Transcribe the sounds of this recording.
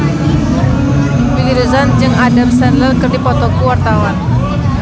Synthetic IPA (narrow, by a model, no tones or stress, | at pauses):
wiliɾuzand͡ʒɨŋadərsɛrlərkərdipɔt̪ɔkuwart̪awan